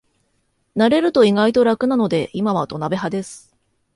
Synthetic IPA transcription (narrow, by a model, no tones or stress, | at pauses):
naɾe̞ɾɯ̟t̪o̞iɡait̪o̞ɾakɯ̟nano̞d̪e̞ʔimaβ̞at̪o̞nabe̞ɦad̪e̞sɨ̥